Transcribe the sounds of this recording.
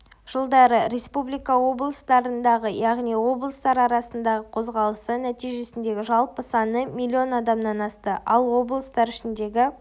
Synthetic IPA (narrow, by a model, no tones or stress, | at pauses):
ʒ̥əlˠd̪ɑɾəɾe̞spublʲijkɑwo̞blˠəst̪ɑɾənd̪ɑʁəjɑʁnijwo̞blˠəst̪ɑɾɑɾɑsənd̪ɑʁəqʰo̞zʁɑlˠəsənæt̪ijʒe̞sɪnd̪e̞ɡʲɪʒɑlˠpəsɑnəmʲilʲːio̞nɑd̪ɑmnɑnɑst̪əʔɑlˠwo̞blˠəst̪ɑɾʏʃɪnd̪e̞ɡʲɪ